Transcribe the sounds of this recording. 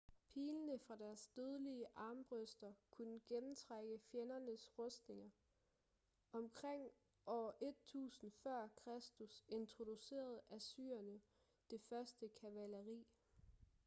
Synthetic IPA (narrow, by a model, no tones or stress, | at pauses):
pʰiːlnəfʁɑ̈d̥æɐsd̥øðˠəliəʔɑ̈ːmb̥ʁœsd̥ɐkʰunəɡ̥enm̩t͡sʰʁaɡ̥əfjenɐnəsʁɔsd̥ne̝ŋɐ | ɒ̽mkʰʁeŋ̰ | ɒʊɐʔe̝d̥̚t͡sʰṵːsn̩fɶɐ̰kʰʁasd̥use̝nt͡sʰʁo̝d̥use̝̰ːɐð̞ˠæsy̰ːɐnə | d̥e̝fɶɐsd̥əkʰæʋæləʁḭː